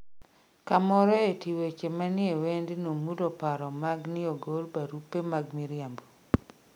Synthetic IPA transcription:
kamɔɾɔetiwet͡ʃemanɪewendɪnomudopaɾɔmaɡnɪoɡolpaɾupːemaɡmiɾjambo

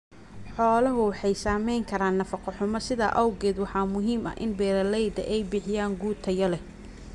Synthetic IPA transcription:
ħɔːlɐɦʊwɑħɑjsaːmɛjŋkʰɐɾaːnːɐfɑqɔħʊmɐsɪðɐ̰ʔɐwɡɛːd̪wɑħɑːmʊɦiːmɐ̰ʔɪ̰nbɛːɾɐlɛjd̪ɐ̰ʔɛjbɪħɪjaːŋɡuːt̪ʰɐjɐlɛ

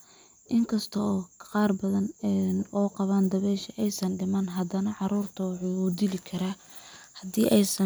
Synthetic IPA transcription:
ʔɪŋkʰɐst̪ʰɔːqɑːrbɐðɐnnɔːqɑβaːnd̪ɐβɛːʃɐʔɛjsɐnɖɪmɐnɦɐd̪ɐnɐʕɑɾuːrt̪ʰɐwħuːd̪ɪlɪkʰɐɾaː | hɐd̪iːʔɛjsɐ

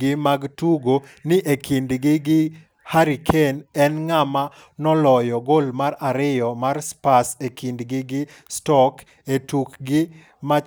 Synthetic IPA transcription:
ɪmaɡtuɡonɪʔekʰindɡɪɡɪ | haɾikʰenɛnŋama | nɔlɔjɔɡolmaraɾɪjɔmarspasekindɡɪɡɪ | stɔk | etukɡɪ | ma

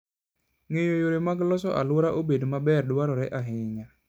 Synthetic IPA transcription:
ŋejojoɾemaɡlɔsɔʔa̰lʊɾaʔobedomabɛrdʊaɾɔɾɛʔaɦɪɲa

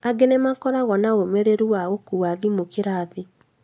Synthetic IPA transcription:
aɡenemakɔɾaɣɔnaomeɾeɾuwaɣokuwaðimokeɾaːðe

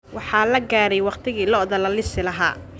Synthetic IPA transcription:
wɑħɑːlɐɡaːɾɛjwɑqt̪ʰɪɣiːlɔðɐlɐlɪsɪlɐɦa̰ː

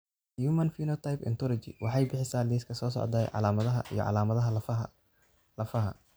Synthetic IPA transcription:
jumɐnfiːnɔt̪ʰajpɛ̰nt̪ʰɔlɔt͡ʃɪ̰wʔɑħɑjbɪħɪsaːliːskʰɐsɔːsɔ̰ʕd̪aːjʕɑ̰laːmɐðɐɦɐ̰ʔḭjɔ̰ʕɑ̰laːmɐðɐɦɐl | lɐfɐɦɐ̰

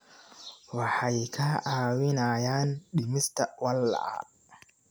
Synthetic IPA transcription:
wɑħɑjkʰɐʔaːwɪnaːjaːnɗɪmɪst̪ʰɐwɐlːɐ̰a̰

